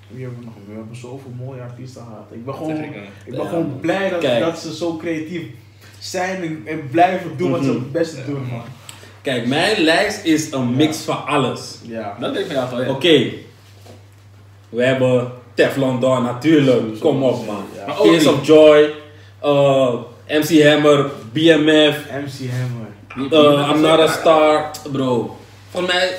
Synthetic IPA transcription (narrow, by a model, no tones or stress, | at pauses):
ʋəɛbənɔɛbəsowfɪːlˠmoːjəatistəɑtɪɡ̚bɛnχəonɪɡbɛnχəʋownblɛjdkɛdtsəzowkrejatif | sɛjnɛnɛnblɛjfəduʋɔsəəbɛstədunan | kɛjkmɛjnlɛjstɪsənmɪksfɑnɑləsjadɔtdɛkəjaokej | ʋəɦɛbətɛflɔndɔnatyːɹləkkɔmɔfmanmaɔisɔfd͡ʒɔj | ə | ʔɛmsiɦɛmərbiɛmɛfɛmsiɛməəamnɔɾəstaɹtbɾow | fɔmɛj